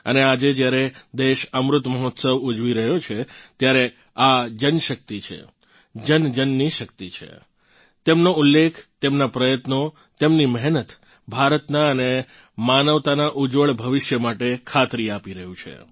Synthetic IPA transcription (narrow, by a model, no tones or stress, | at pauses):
ə̰nead͡ʒed͡ʒjaɾed̪eʃəmɾʊt̪məɦɔt̪səʋud͡ʒʋiɾəɦjot͡ʃʰet̪jaɾe | ad͡ʒənʃək̚t̪it͡ʃʰḛ | d͡ʒənd͡ʒənːiʃək̚t̪it͡ʃʰḛ | t̪emnoulːekʰt̪emnapɾəjət̪no | t̪emniməɦnət̪ | bʱaɾət̪naəne | manəʋt̪anaʔud͡ʒʋəɭbʱəʋɪʃjəmaʈekʰat̪ɾiapiɾəɦũt͡ʃʰḛ